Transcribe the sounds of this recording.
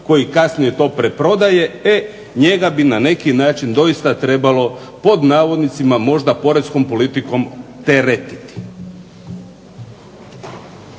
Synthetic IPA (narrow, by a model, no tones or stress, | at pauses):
ko̞jikasnije̞t̪o̞ːpɾepɾo̞d̪aje̞e | ɲe̞ɡabinane̞kinaːt͡ʃind̪o̞jist̪at̪ɾe̞balo̞ | po̞d̪naːʋo̞d̪nit̪simamo̞ʒd̪apo̞ɾet̪sko̞mpo̞lit̪iko̞mt̪eɾet̪i̥t̪i̥